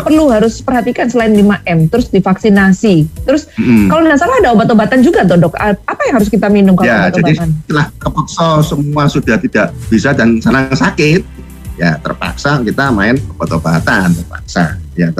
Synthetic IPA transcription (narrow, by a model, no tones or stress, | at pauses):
pərluɦaɾʊspərɦat̪ikansəlaɪndimaʔɛmt̪ɾʊsdifaksinasit̪əɾʊs̩kalobənasakadaobat̪obaɦat̪and͡ʒuɡat̪ɔdɔkəapajaŋɦaɾʊskit̪aminʊmkajad͡ʒ̪abadianəlahkəpaksɔsəmuasudaht̪idaʔb̥isadansənaŋsakɪt̪̚ | jat̪ə̰rpa̰ksakit̪amaɪnob̥at̪obaat̪ant̪ərpa̰ksa̰jat̪